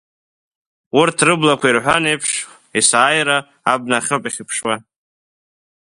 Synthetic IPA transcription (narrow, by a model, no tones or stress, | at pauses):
wʊrtʰrɨblakʷʰairħʷanejpʰʂ | isaːjɾaː | b̚naχʲɨpʼiχʲɪpʰʂwa